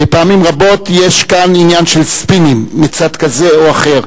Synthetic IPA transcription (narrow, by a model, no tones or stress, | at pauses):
bepeaamimʁabo̞t̪jeʃkaninjanʃelspinimːit͡sad̪kaze̞oaχe̞ʁ